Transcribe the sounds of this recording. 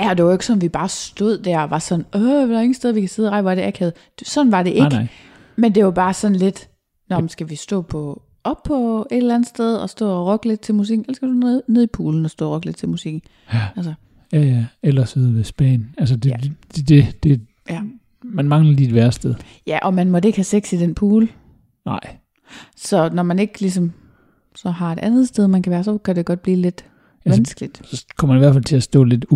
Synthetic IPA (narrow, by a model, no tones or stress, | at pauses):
jæɒ̽d̥e̝ʋɑ̈e̝ɡ̥sɒ̽nʋib̥ɑ̈ːsd̥o̝ð̞̰ˠd̥æɐɒʋɑ̈sɒ̽nɔʋædeŋn̩sd̥eðˠʋikʰæse̝ð̞ˠʁɑ̈ɪʋɒɾeækʰeð̩̥ˠ | sɒ̽n̩ʋɑ̈d̥e̝ʔeɡ | mend̥e̝ʋɑb̥ɑ̈ːsɒ̽nle̝d̥ | nɒm̩sɡ̥æʋisd̥ɔ̰ːpʰɒ̽ | ɒ̽b̥pʰːɒ̽e̝d̥elænð̩ˠsd̥eð̞ˠɒ̽sd̥ɔ̰ːɒʁɔɡ̥əle̝d̥̚t͡sʰe̝lmus̬iɡ̥n̩elɐsɡ̥æ̥u̥neðˠipʰuːln̩ɒsd̥ɔ̰ːʁɒɡ̥le̥t͡sʰelmusiɡ̥n̩ | ælsə | jæjæelɐseðˠʋesb̥ɛ̰ːnæls̬əd̥ed̥e̝d̥e̝d̥e̝ | j | mænmɑ̈ŋlɐlidʋæɐsd̥eðˠ | jæʔɒ̽mænmɒde̝ɡ̥hæseɡ̥sid̥enpʰuːl | nɑ̈ɪ̰ | sɒ̽nɒmæne̝ɡ̥lis̬ɒ̽m | sɒ̽ɦɑ̈e̝d̥ʔænð̞̩ˠsd̥eð̞ˠmænkʰæʋæːɐsɒ̽kʰæd̥e̝ɡ̥ɒ̽d̥̚b̥liːle̝d̥ | æʋænsɡ̥lid̥sɒ̽kʰɒm̰ɐmæniʋæɐfælt͡sʰe̝æsd̥ɔ̰ːle̝d̥